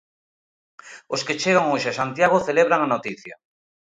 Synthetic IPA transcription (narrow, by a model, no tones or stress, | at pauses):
osket͡ʃeɣaŋoʃasant̪jaɣoθeleβɾaŋanot̪iθjɐ